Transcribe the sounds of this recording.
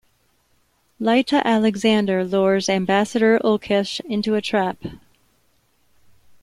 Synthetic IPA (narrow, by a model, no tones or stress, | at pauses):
laɪɾəʔælˠɨɡzæ̃ndə˞lɔɹzæ̃mbæsɨɾə˞ʔolˠkʰɪʃɪ̃ntʉɨtʰɹ̥æp